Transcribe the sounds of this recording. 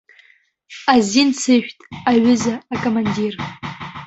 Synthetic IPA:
azinsʰɨʃᶣtʼaɥʏzaːkʼomandir

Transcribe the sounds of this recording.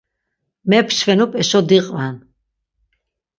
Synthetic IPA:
mɛpʰʃvɛnupʼɛʃɔd̪iqʼvan

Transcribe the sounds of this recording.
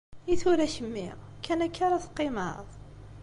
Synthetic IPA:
iθuɾæçəmːiʁkːænækːaɾaθqːɪmə̰ðˤ

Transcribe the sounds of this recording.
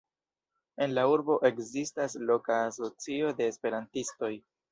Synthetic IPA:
e̞nlauɾbo̞ʔe̞kzistaslo̞kaːso̞t͡sio̞de̞ːspe̞ɾantisto̞j

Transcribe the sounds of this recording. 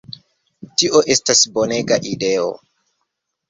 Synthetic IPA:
tiʔo̞ʔe̞stasboneɡaʔideo̰

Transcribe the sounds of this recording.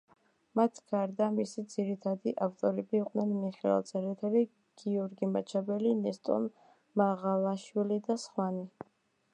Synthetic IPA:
mat̪ʰɡ̥aɾd̪amisid̪z̥iɾit̪ʰad̪iʔaft̪ʼɔɾɛbiːqʼnɛnmiχɛɛlˠt̪sʼʰɛɾɛt̪ʰɛli | ɡ̥iɔɾɡimat͡ʃʰabɛlinɛst̪ʼɔ̰n | maʁalˠaʃwilid̪asχwani

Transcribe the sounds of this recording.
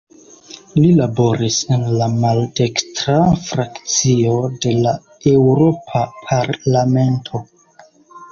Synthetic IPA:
lilabo̞ɾisenlamalde̞kstɾafɾakt͡sio̞de̞la | e̞wɾo̞pʰapʰaɾlame̞ntʰo̞

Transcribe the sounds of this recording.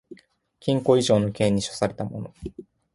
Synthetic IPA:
kʲĩŋko̞iʑo̞ːno̞kẽ̞ːɲ̟ːiɕo̞̥saɾe̞t̪amo̞̰no̞

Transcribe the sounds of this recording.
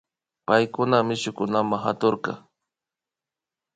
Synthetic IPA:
pajkʊnamɪʃʊkʊnamaŋɦat̪oɾqɑ̰

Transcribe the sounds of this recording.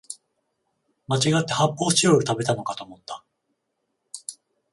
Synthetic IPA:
mat͡ɕiɡat̪ːe̞hapːo̞ːɕijoɯt̪abe̞t̪ano̞kat̪o̞ːmo̞t̪ːa

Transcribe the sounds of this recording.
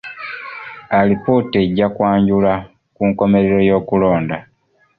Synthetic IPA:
alipote̞ɟakwaːɲɟula | kuŋko̞me̞ɾeɾojo̞ːkulo̞ːnda

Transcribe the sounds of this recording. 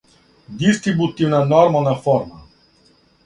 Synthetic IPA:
d̪ist̪ɾibut̪ivnanɔɾmanafɔɾma

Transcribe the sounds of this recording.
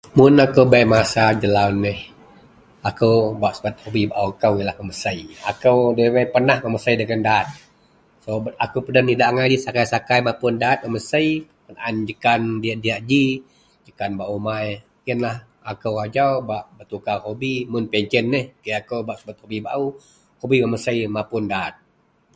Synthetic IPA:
mʊnakowbajmasad͡ʒəlawnːɛh | akəwbaʔsəbat̪̚hobibaʔukəwilahməməsəia̰kəwdewəjpərnahməməsəjdəɡəndaːt̪̚ | soakupədəntidaʔŋajdisakajsakajmapʊndaːt̪̚məməsəjpənaʔand͡ʒəkandiaʔdiaʔd͡ʒi | d͡ʒəkanbaʔumaj | iənlah | akəwad͡ʒawbaʔbət̪ukaɦobimʊnpɛɲt͡ʃənːəhkəjakəwbaʔsəbat̪̚hobiba̰ʔu | hobiməməsəjmapʊndaːt̪̚

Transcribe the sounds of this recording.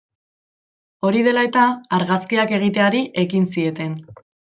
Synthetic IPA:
o̞ɾiðe̞lae̞t̪aaɾɣaskiake̞ɣ̞it̪eaɾiʔe̞kinsie̞t̪e̞n

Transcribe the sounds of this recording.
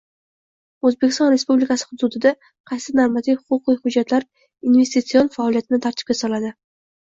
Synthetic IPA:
ɵzbe̞kʲɪst̪ɒnɾe̞spublikasɪ̥hʊd̪ud̪ɪd̪a | qʰɑjsɪnaɾmat̪ʰivhʊqʊqjhʊd͡ʒːat̪laɾ | inve̞st̪it̪sionfaːlˠijat̪ʰɪnɪt̪ʰaɾt̪ʰɪ̥pʲkʲasɒlˠad̪ɪ

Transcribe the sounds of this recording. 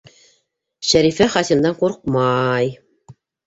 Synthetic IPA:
ʃæɾifæχɑsʲimd̪ɑɴquɾq̚mɑj

